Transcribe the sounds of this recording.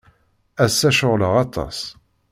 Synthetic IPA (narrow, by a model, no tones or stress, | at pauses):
æsːæʃʊʁləʁɑt̪ˤːɑ̰s